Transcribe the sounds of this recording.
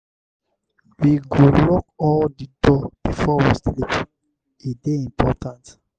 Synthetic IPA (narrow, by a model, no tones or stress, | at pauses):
wiɡolɔk̚ɔldidɔb̥ifɔwistilip | ideĩmpʰɔtʰãnt